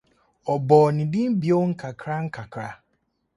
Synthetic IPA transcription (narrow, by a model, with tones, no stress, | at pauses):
ɔ˨bɔː˨nɪ̃˨dɪ̃˦m̩˦bi˨o˦ŋ̩˦kʰa˨kʰɾa˦ŋ̩˦kʰa˨kʰɾa˦